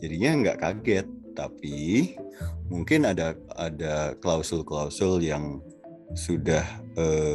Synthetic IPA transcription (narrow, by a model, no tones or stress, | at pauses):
d͡ʒadiɲaŋɡa̰ʔkaɡɛt̪ːapi | muŋkɪnadaa̰daklausəlklausʊljaŋ | sudahə